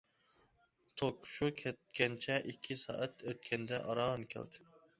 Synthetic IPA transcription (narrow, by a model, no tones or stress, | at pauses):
t̪ʰolˠkʰʊ̥ʃukʲʰɛt̪̚kʲɛnt͡ʃʰɛʔikʲʰːisɑ̰ːʔɛt̪øt̪̚kʲʰɛnd̪ɛʔɑɾɑʁɨnkʲʰɛ̰ld̪ɪ